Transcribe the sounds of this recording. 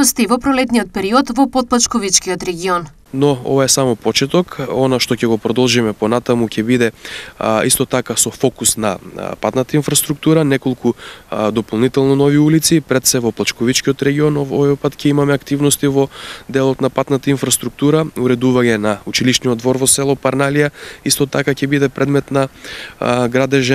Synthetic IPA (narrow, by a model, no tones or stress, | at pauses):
st̪ɛvɔpɾɔlɛt̪nijot̪̚pɛɾiɔt̪vɔpɔt̪̚plˠat͡ʃkɔvit͡ʃkiot̪ɾɛɡʲiɔn | nɔɔ̰vaɛsamɔpɔt͡ʃɛt̪ɔkɔnaʃt̪ɔcɛɡopɾɔd̪ɔlˠʒimɛponat̪amucɛbid̪ɛ | ist̪ɔt̪akasɔfɔkusna̰pat̪nat̪ainfɾast̪ɾuk̚t̪uɾanɛkolˠkʰud̪ɔpolˠnit̪ɛlˠnɔnɔviulit̪sipɾɛt̪sɛvɔplˠat͡ʃkɔvit͡ʃkiɔt̪ɾɛɡiɔnɔɔvɔjpat̪cʲɛimamɛakt̪ivnɔst̪ivɔd̪ɛlˠɔt̪napat̪nat̪ainfɾast̪ɾuk̚t̪uɾauɾɛd̪uvaɲɛnaut͡ʃiliʃniɔd̪vɔɾvɔsɛlˠɔpaɾnalijaist̪ɔt̪akacɛbid̪ɛpɾʔɛd̪mɛt̪na | ɡɾad̪ɛʒɛ